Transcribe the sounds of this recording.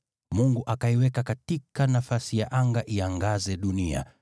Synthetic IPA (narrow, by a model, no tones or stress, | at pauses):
muŋɡuʔakaiwɛkakatikanafasijaʔaŋɡaʔiaŋɡazɛɗunia̰